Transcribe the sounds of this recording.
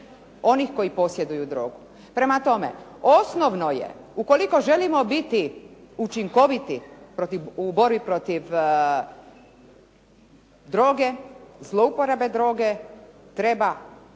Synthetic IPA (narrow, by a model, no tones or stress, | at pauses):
o̞nixko̞jipo̞sje̞d̪ujud̪ɾo̞ːɡu | pɾe̞mat̪o̞mḛosno̞ʋnojḛuko̞liko̞ʒe̞limo̞bit̪iut͡ʃiŋko̞ʋit̪ipɾo̞t̪iubo̞ɾbipɾo̞t̪iʋ | d̪ɾo̞ːɡe̞zlˠo̞upo̞ɾebe̞d̪ɾo̞ːɡet̪ɾe̞ba